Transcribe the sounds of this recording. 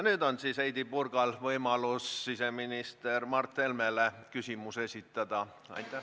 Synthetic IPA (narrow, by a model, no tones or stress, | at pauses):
nyːd̪o̞nsiːsejd̪ipurɡ̥ɑlvɤjmɑlussiseminist̪ermɑrt̪ːe̞lmelekysʲimuse̞sʲit̪ːˑɑd̪̥ɑ | ɑ̰jt̪ˑːæ